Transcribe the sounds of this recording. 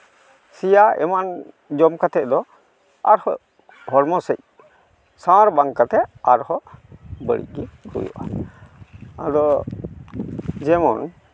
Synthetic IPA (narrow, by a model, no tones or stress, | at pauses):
sijaɛ̰man | d͡ʒɔmkat̪ʰɛt̚d̪ɔ | a̰ɾhɔ̰ | hɔɾmɔsəc̚ | sawaɾbaŋkat̪ɛaɾhɔbəɽḭc̚ɡikʰṵjṵʔa | ad̪ɔ | d͡ʒɛmɔn